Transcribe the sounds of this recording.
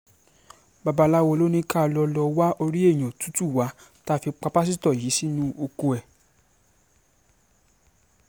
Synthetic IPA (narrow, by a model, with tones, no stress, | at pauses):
ba˧ba˧la˦wo˧lo˦nĩ˦ka˦˨˧lɔ˧lɔ˧wa˦ʔo˧ɾi˦e˦˨j̃ã˨tu̥˨˦tu˦˨wa˨˦ | ta˦˧fi˧k͡pa˧pa˦s̬i˦tɔ˦˨ji˨˦si˦nũ˦o˧ko˧ɛ˨